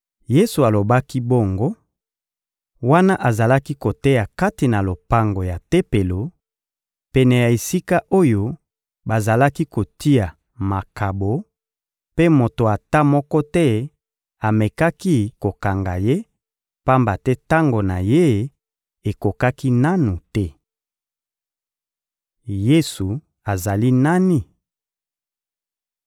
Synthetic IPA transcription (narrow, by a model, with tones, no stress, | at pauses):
je˦su˨a˨lo˨ba˦ki˦bo˦ŋɡo˦ | wa˦na˦ʔa˨za˨la˦ki˦ko˨tɛ˦ja˨ka˦ti˨na˨lo˨pa˦ŋɡo˨ja˨te˦pe˨lo˨ | pɛ˨nɛ˨ja˨e˨si˦ka˦ʔo˦jo˦ | ba˨za˨la˦ki˦ko˨ti˦ja˨ | ma˨kʰa˨bo˨ | pe˦mo˨to˨a˨ta˦mɔ˦kɔ˦tɛ˦ | a˨me˨ka˦ki˦ko˨ka˨ŋɡa̰˨je˦ | pa˦mba˨tɛ˦ta˦ŋɡo˨na˨je˦ | e˨ko˨ka˦ki˦na˦nu˨tɛ˦ | je˦su˨ | a˨za˨li˦na˦ni˦